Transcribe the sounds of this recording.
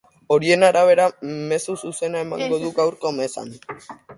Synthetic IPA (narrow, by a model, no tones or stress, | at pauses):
o̞ɾie̞naɾaβ̞e̞ɾame̞sususe̞nae̞ma̰ŋɡo̞ðuɡawɾko̞me̞sa̰n